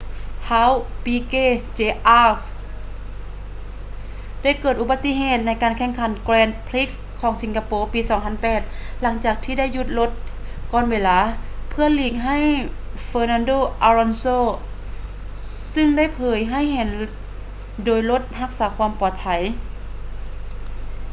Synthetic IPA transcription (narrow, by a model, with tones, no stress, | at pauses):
ha˧˥wpiː˧keː˧˥˨t͡ɕeː˧ʔaː˧˩f | da˥˩˨jkɤː˨˩t̪ʔu˧ba˧˥t̪ːi˧˥˨ɦeː˧˩t̪̚na˧˥jkaː˨nkʰɛ˧˩ŋkʰa˧˩˦nklɛː˧nd̪̚pʰli˦˥k̚s | kʰːɔː˨˦ŋsi˨˦ŋkʰa˧poː˧˦piː˧sɔː˨˩˦ŋpʰa˧˥˨npɛː˨˩t̪̚la˧˦ŋt͡ɕaː˨˩k̚t̪ʰiː˧da˥˩jːu˧t̪̚lo˧˥t̪̚kɔː˧˨nweː˧laː˧˦pʰɯ˧˩ɐliː˧˩k̚ɦa˥˩˨jfɤː˧naː˧ndoː˧˨ʔaː˧ɾɔ˧nsoː˧˨ | sɯ˧˨ŋda˥˨jpʰɤː˨˦jɦa˥˩˨jɦɛː˧˦n | doː˨˩jlo˧˥t̪̚ha˧˥k̚saː˩˦kʰwaː˧˥mpɔː˨˩t̪̚pʰa˧˦j